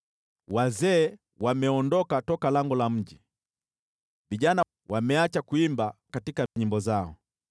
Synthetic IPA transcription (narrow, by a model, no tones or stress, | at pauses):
wazɛː | wamɛɔndɔkatɔkalaŋɡɔlam̩ʄi | viʄana | wamɛat͡ʃakuimbakatikaɲimbɔzaɔ